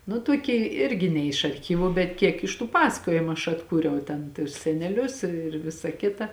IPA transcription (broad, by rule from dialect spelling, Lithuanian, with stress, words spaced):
nʊ tuɔˈkʲeː ˈɪrʲɡʲɪ nʲɛ ɪʃ ɐrʲˈxʲiːʋʊ bʲɛt ˈkʲiɛk ɪʃ tuː ˈpɑːsɐkoːjɪmʊ ɐʃ ɐtˈkuːrʲɛʊ ˈtʲɛn tʊs sʲɛnʲɛˈlʲʊs ɪr ˈʋʲɪsɐ ˈkʲɪtɐ